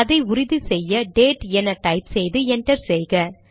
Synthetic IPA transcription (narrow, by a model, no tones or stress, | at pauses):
ɐðɐɪʊɾɪðɯsɛjːɐɖeːʈɛnɐʈɐɪpsɛjðɯɛɳʈɐɾsɛjɣɐ